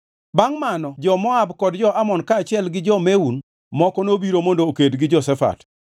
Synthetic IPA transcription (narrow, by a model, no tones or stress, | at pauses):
baŋmanɔd͡ʒɔmɔabkɔdd͡ʒɔʔamɔnkaːt͡ʃɪɛlɡɪd͡ʒɔmeun | mɔkɔnobiɾomondoːkedɡɪd͡ʒɔsɛfa̰t